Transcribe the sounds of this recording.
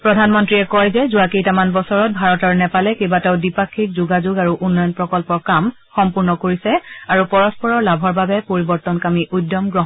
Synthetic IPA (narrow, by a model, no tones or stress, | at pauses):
pɹɔdʱanmɔntɹiɛkɔjzɛzuakejtamanbɔsɔɹɔt̚bʱaɹɔtɔɹnɛpalɛkebataʊdipakʰːik̚zuɡazʊɡaɹuʔunːɔjɔnpɹɔkɔlpɔɹkam | xɔmpuɹnɔkoɹisɛaɹupɔɹɔspɔɹɔɹlabʱɔɹbabɛpoɹibɔɹtɔnkamiʔudːɔmɡɹɔɦ